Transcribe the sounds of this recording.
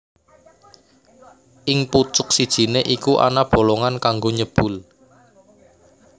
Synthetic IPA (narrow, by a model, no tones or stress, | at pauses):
ʔɪŋput͡ʃʊk̚sid̥ʒ̥i̤neʔikuʔa̰nab̥o̤loŋankaŋɡoɲəb̥ʊ̤l